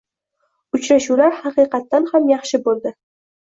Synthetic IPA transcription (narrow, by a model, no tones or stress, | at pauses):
ʊt͡ʃɾaʃulaɾhɑqɨjqɑt̪ːanhamjɑχʃɪbolˠd̪ɪ